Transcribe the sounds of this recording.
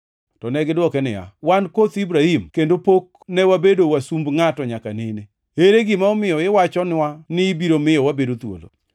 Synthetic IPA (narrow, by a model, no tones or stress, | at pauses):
tɔnɛɡɪdwɔkɛnɪ̰ja̰wankot̪ibɾahimkendopok̚ | nɛwabedowasumbŋatɔɲaka̰nene | eɾeɡɪmaɔmɪjɔɪwat͡ʃɔnɪwanɪːbiɾomɪjɔwabedot̪wo̰lo̰